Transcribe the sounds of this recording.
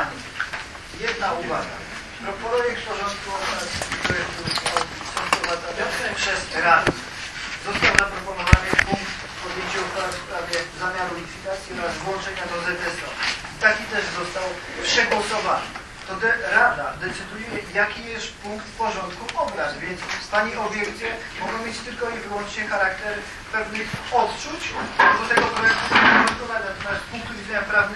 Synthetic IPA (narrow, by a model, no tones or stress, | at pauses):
ɲɛ | jɛd̪nauvaɡa̰ | pɾɔpɾɔjɛkt̪̚pɔʐɔnt̪kuɔbɾaspɾɔjɛkt̪uɔisɔ̃wpɾɔvad̪zavɔ̃nsɛpʂɛsɾad̪ | zɔst̪awzapɾɔpɔnɔvanɨpuŋkt̪ | pɔd̪jɛɲt͡ɕuɔpɔɾasp̪ɾavʲjɛzamʲjaɾulʲit̪fʲit̪at̪sʲjiɔɾazvwɔ̃nt͡ʂɛɲad̪ɔzɛt̪ɛst̪ɔfit̪akʲit̪ɛʐzɔst̪aw | pʂɛɡwɔsɔvanɨ̰ | t̪ɔd̪ɛɾad̪ad̪ɛt̪sɘd̪ujɛjakʲijɛst̪puŋkt̪pɔʐɔnt̪kuɔbɾad̪vʲjɛnspaɲiʔɔbʲjɛɾt͡ɕɛ | mɔɡɔ̃w̃mʲjet͡ɕt̪ɘlkɔivɘwɔnt͡ʂɲɛxaɾakt̪ɛɾ | pɛvnɘxɔt̪t͡ʂut͡ɕd̪at̪ɛɡɔbɡɔst̪ɔvanat̪ɛmaspũŋk̚t̪uvʲid̪zɛɲapɾavn